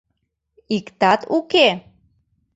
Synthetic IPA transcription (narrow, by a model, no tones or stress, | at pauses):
ikt̪at̪uke